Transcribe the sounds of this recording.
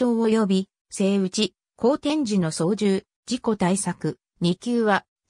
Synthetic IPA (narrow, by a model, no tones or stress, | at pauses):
oːojo̞bʲi | se̞ːɯ̟t͡ɕi | ko̞ːt̪ẽ̞ɲ̟d͡ʑino̞so̞ːd͡ʑɨː | d͡ʑiko̞t̪aisakɯ̟ | ɲ̟ikʲɨːβa